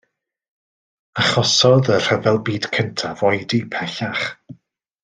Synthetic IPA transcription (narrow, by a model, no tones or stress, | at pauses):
aχɔsɔðər̥ɛvɛlˠbiːd̥kʰəntʰavɔjdipʰɛɬaχ